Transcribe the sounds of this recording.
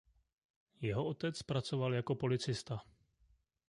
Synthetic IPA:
jɛɦo̞o̞t̪ɛt͡spɾat͡so̞valjako̞po̞lɪt͡sɪst̪a

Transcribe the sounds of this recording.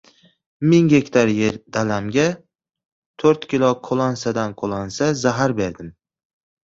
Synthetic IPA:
mɪŋɡʲe̞kʲt̪ʰaɾje̞ɾd̪alamɡʲa | t̪ʰoɾt̪kʲɪlˠɒqʰolˠansad̪anqʰolˠansazaɦaɾbe̞ɾd̪ɪm

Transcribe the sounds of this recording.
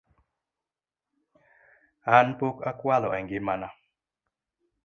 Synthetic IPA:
hanpokakwalɔaɡemana

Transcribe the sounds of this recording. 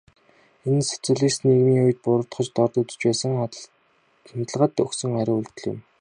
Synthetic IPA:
ensʊ̥t͡sʊ̆ɮiːsneɣmiːuj̆t̪̚pʊɾə̆t̪χɞ̆t͡ɕt̪ɔrt̪ut͡sɵ̥̆t͡ɕpæːsə̆ŋ | nt̪ə̆ɮʁə̆t̪ɵksɵ̆ŋaɾʲɪ̆uɮt̪ɵ̆ɮjɪ̰̆m

